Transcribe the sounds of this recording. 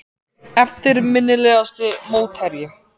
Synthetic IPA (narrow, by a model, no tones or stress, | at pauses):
ɛft̪ɪɾmɪnːɪlɛːɣast̪ʏmoːwt̪hɛɾjɪ